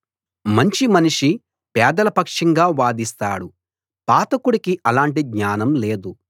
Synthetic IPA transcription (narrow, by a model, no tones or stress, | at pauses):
mɐɲt͡ʃimɐniʂi | pɛːd̪ɐlɐpɐkʂɐŋɡaːʋaːd̪ist̪a̰ːɽu | paːt̪ɐkuɽikiʔɐlaːɳʈiɡɲaːnɐmle̞ːd̪u